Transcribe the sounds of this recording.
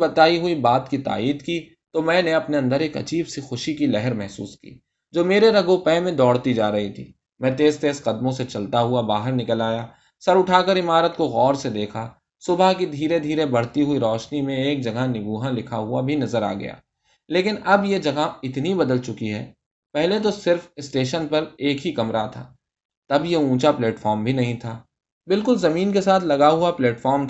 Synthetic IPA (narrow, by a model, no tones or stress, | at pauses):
bɐt̪aːiɦʊibaːt̪kit̪a̰ːiːd̪ki | t̪omɛ̃ːneɐpneɐ̃nd̪əɾeːkɐ̰d͡ʒiːbsixʊʃikilɛɦəɾmɛɦsṵːskḭː | d͡ʒoːmeːɾeɾɐɡopɛ̃ːmẽd̪ɔːɽt̪id͡ʒaːɾɐɦit̪ʰḭː | mɛ̃t̪eːzt̪eːsqɐd̪mõset͡ʃɐlt̪aɦʊabaːɦəɾnɪkəlaːjaː | sɐɾʊʈʰaːkəɾɪmaːɾət̪koɣɔːɾsed̪eːkʰa | sʊbʱakid̪ʱiːɾed̪ʱiːɾebɐɽ̤t̪iɦʊiɾɔːʃnimẽeːk̚d͡ʒɐɡanɪbuːɦãlɪkʰaɦʊabʱinɐzəɾa̰ːɡɐ̰ja̰ː | leːkɪnɐbjed͡ʒɐɡaɪt̪nibɐd̪əlt͡ʃʊkiɦɛ̰ː | pɛɦlet̪̬osɪɾfɪsʈeːʃənpɐɾeːkɦikɐmɾat̪ʰa̰ː | t̪ɐbjeũːt͡ʃaplɛːʈfɔːɾmbʱinɐɦĩt̪ʰaː | bɪlkʊlzɐmiːnkesaːt̪ʰlɐɡaɦuapleːʈfɔːɾmt̪ʰ